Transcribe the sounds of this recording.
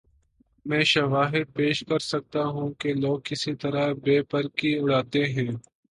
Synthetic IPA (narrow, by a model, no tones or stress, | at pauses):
mɛ̃ːʃɐʋaːɦɪd̪̚peːʃkɐɾsɐk̚t̪aɦũkeloːɡ̚kɪsit̪ɐɾabeːpəɾkiʊɽaːt̪eɦɛ̃ː